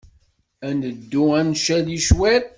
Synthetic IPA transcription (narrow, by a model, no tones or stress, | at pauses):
ænəd̪ːuænʃæðiʃwæɾ